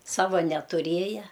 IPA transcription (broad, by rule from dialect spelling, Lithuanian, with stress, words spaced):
ˈsɑːʋɐ nʲɛtʊˈrʲeːjɛ